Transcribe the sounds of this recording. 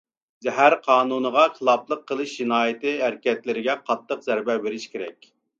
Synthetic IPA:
zɛɦæɾqʰɑːnunəʁɑqʰəlˠɑblˠəqʰːəlˠɨʃd͡ʒinɑːjɪt̪ɨæɾkʲɛt̪lɪɾɪɡʲɛqʰɑt̪ːəqzæɾbɛbeɾɪʃkʲʰeɾɛkʲ

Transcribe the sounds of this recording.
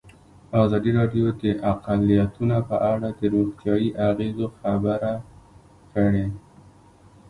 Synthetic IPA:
ɑzɑd̪iɾɑɖjod̪əʔaqalijat̪unapəʔaɽad̪əɾoɣt̪jɑiʔaɣezoxabəɾa | kəɽe

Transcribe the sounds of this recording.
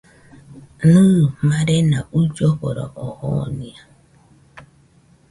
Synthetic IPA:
numaɾenaud͡ʒɔkoɾɔ̰ʔɔhɔnia

